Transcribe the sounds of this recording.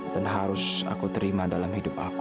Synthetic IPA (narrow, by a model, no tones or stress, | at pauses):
danɦaɾʊsa̰kut̪əɾimadalamhidʊp̚a̰k